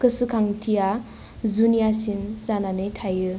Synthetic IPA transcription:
kɯsɯkʰaŋtʰija | zunijasinzananɯjtʰajɯ

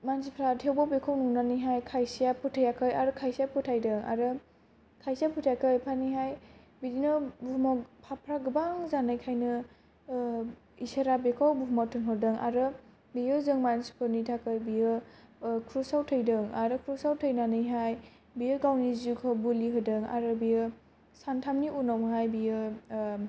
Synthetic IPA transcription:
mansipʰɾatʰewbɔbekʰawnunanɯjɦajkʰajsijapʰɯtʰajakʰɯjaɾɯkʰajsijapʰɯtʰajdɯŋa̰ɾɯ | kʰajsijapʰutʰajakʰɯjpʰaniɦaj | bidinɯbumɔkpʰapʰɾaɡɯbaŋzanajkʰajnɯ | iseɾabekʰawbuɦmɔtʰɯnɦɔdɯŋʔa̰ɾɯ | bijɯzɯŋmansu̥pʰɯnitʰakɯɾbijɯ | kʰɾusawtʰɯjdɯŋa̰ɾɯkʰɾusawtʰɯjnanɯjɦaj | bijɯɡawnizukʰɔbuliɦɯdɯŋa̰ɾɯbijɯ | santʰamniʔunawɦajbijɯ

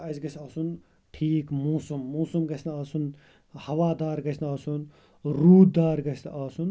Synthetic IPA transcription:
ɐzɡɐsʲaːsun | ʈʰiːkmoːsumːoːsumɡɐsʰʲnaaːsun | hɐʋaːd̪aːɾɡɐsʰnaːsun | ɾuːd̪d̪aːɾɡɐsʰʲnʔaːsun

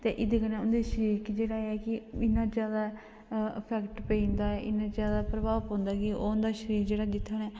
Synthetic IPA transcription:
t̪eːʔɪd̪eːkənẽːʊnd̪eːʃəɾiːkd͡ʒeːɽaːɛːkɪɪnãːd͡ʒjaːd̪aː | əpʰɛːkʈpəĩːnd̪aːɛʔɪnãːd͡ʒjaːd̪aːpɾəbaːpõːnd̪aːkɪoːʊnd̪aːʃəɾiːɾd͡ʒeːɽaːd̪ɪt̪ʰːənɛː

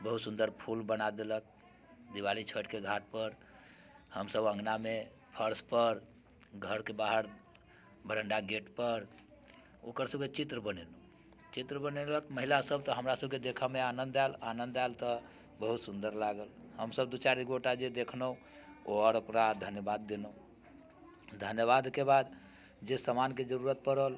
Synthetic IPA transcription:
bəɦut̪sũnd̪əɾpʰulbənad̪elək̚ | d̪iwalit͡ʃʰəʈkeɡʱaʈ̚pəɾ | həmsəbə̃ŋɡname | pʰəɾspəɾ | ɡʱəɾkebaɦəɾ | bʱəɾəɳɖaɡeʈpəɾ | okəɾsəb̚ket͡ʃit̪ɾəbənelu | t͡ʃit̪ɾəbəneləkməɦilasəb̚t̪ɔɦəmɾasəb̚ked̪ekʰameanənd̪alanənd̪alt̪ə | bəɦut̪sund̪əɾlaɡəlhəmsəb̚d̪ut͡ʃaɾiɡoʈad͡ʒed̪ekʰnəu | oɔɾokɾad̪ʱənjəbad̪ːenəu | d̪ʱənjəβad̪kebad̪ | d͡ʒesəmanked͡ʒəɾuɾət̪̚pəɾəl

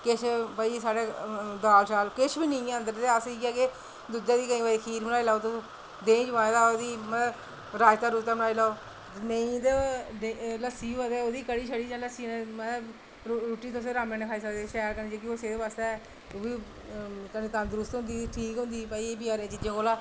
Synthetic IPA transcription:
kɪʃpəisaːɽeːd̪aːlsaːlkɪʃʰbiːnəĩːə̃nd̪əɾt̪eːasiːkaːke | d̪ud͡ʒãːd̪iːkəĩːʋaːiːkʰiːɾbnaːiːlaːot̪ʊ | d̪ẽːd͡ʒəʋãːẽd̪aːd̪iːməə | ɾaːd͡ʒt̪aːɾuːt̪aːbənaːilaːoː | nəĩːd̪enləsiːəd̪eːoːd̪iːkəɽiːʃʰəɽiːd͡ʒãːləsiːnːməə | ɾuːʈiːt̪ʊsẽːɾaːmẽːnẽːkʰaːiːsəkd̪eːʃɛːɾkənːd͡ʒeːkioseːd̪eːbast̪e | oːbiː | k̪əniːt̪ãnd̪əɾʊst̪ɦʊ̃nd̪iːʈʰiːkɦʊ̃nd̪iːpəiːbɪaːɾẽːt͡ʃiːd͡ʒẽːkoːlaː

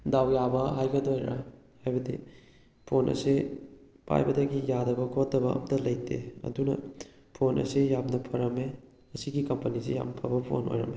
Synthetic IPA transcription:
dawjabɐɦajɡɐdojɾa̰ | hajbɐdi | pʰonʔɐ̰si | pʰa̰jbɐdɐɡijadɐbɐkʰotːɐbɐɐ̰mɐtɐlɐjtʰḛɐ̰dunɐ̰ | pʰonʔɐ̰sijamnɐpʰɐɾɐme | ɐsiɡikɐmpɐnisija̰mnpʰɐbɐpʰo̰no̰jɾɐ̰me

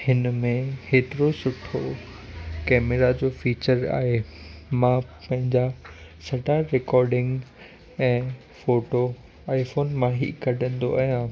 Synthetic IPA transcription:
hɪnmẽheːt̪ɪɾosʊʈʰo | kɛːmeɾad͡ʑoːfiːt͡ɕəɾa̰ːɦemãpɐ̃ɦɪ̃ɲd͡ʑasɐɖʱaɾɪkɔːɾɖɪ̃ŋɡ | ɛ̃ː | foːʈo | aːifoːnmãɦḭkɐɖʱə̃n̆d̪o̰ɐjã

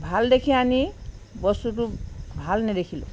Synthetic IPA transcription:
bʱald̪ekʰianibɔsutubʱalnɛd̪ekʰilṵ

